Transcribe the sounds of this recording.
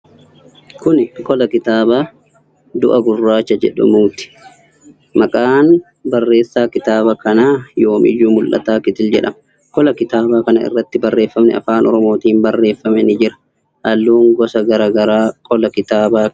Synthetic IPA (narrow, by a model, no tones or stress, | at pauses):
kʊnɪkʼɔlɐkɪt̪aːbaː | d̪ʊʔɐɡʊrːaːt͡ʃːɐd͡ʒɛ̰ᶑʊ̰muːt̪ɪ̥ | mɐkʼaːn | bɐrːe̞ːsːaːkɪt̪aːbɐkɐnaːjo̞ːmʔɪ̰juːmʊlʔɐ̰t̪aːkɪt̪ɪld͡ʒɛ̰ᶑɐ̰mɐ | kɔlɐkɪt̪aːbaːkɐnɐɪ̰rːɐt̪ːɪbɐrːe̞ːfːɐmnɛ̰ɐ̰faːnɔɾɔmo̞ːt̪iːmbɐrːe̞ːfːɐmɛnɪd͡ʒɪɾɐ̥ | ʔɐlːuːŋɡɔsɐɡɐɾaːɡɐɾaːkʼɔlɐkɪt̪aːbaː